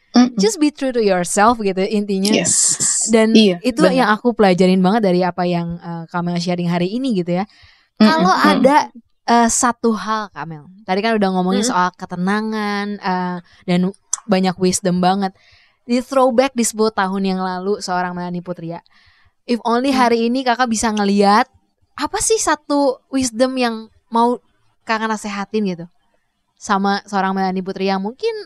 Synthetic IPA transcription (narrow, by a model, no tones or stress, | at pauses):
d͡ʒas̚bit̪ɾuɾujɔɹsɛlfɡit̪uint̪iɲaɛsdanit̪ujaŋakupəlad͡ʒaɾɪnbaŋət̪̚daɾiapajaŋəkamɛlʃ̬aɾɪŋɦaɾiːniɡit̪uja | kaloʔada | əːsat̪uɦalkamɛlt̪adikanudahŋomɔŋɪnsəolakət̪ənaŋanəː | danbaɲakwisdəmbaŋət̪̚ | dit̪ɾobɛk̚disəbulʊht̪aɦʊnjaŋlalusəoɾaŋməlaniput̪ɾia | ʔɪfonliɦaɾiːnikakabisaŋəliat̪̚ | ʔapasɪhsat̪uwisdəmjaŋ | mau | kakanaseɦat̪ɪnɡit̪u | samasəoɾaŋməlanip̬ut̪ɾiamuŋkɪn